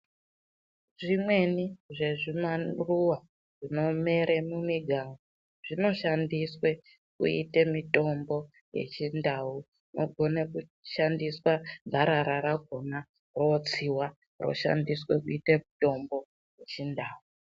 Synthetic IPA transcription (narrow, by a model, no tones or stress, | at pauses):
ʐimwe̞niʐe̞ʐimaruwa | ʐino̞me̞ɾemumiɡʱalo | ʐ̥ino̞ʃandiswe̞ | kṵḭtemito̞mbo̞ | je̞̰t͡ʃindau | nʔo̰ɡʱo̞nekuʃandiswabʱaɾaɾaɾaɡʱo̞na | ro̞t͡siwa | ro̰ʃa̰ndiswe̞kuitemito̞mbo̞ | je̞t͡ʃindaːu